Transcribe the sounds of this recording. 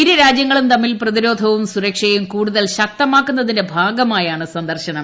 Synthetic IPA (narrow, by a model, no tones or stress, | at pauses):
iɾɐɾaːd͡ʑjɐŋːɐɭumt̪ɐmːilprɐðiɾo̞ːd̪ʱɐʋumsuɾɐkʂɐjumkuːɽuðɐlɕɐk̚t̪ːɐmaːkːunːɐðinde̞bʱaːɡɐmaːjaːɳɨsɐnd̪ɐrɕɐɳɐm